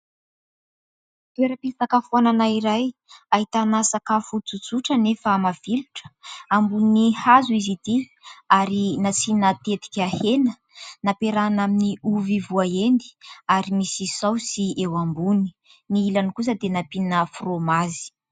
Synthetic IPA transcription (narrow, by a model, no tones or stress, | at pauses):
t̪ueɾəpisakəfananaiɾajaɦit̪anasakafut͡sut͡suʈ͡ʂənefamav̥iluʈ͡ʂə̥ambuninihazuizit̪i | aɾinat͡sinat̪et̪i̥kʲahenə | napeɾanaminiuvivuaend̪i̥aɾimisizawsiewambuni̥ | niilanikus̬əd̪enapinəfromazi̥